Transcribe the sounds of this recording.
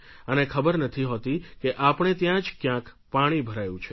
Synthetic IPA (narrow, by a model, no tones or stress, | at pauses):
ənekʰəbəɾnət̪ʰiɦot̪ikeʔapɽ̃et̪jãd͡ʒkjãk | paɽ̃ibʱəɾajũt͡ʃʰe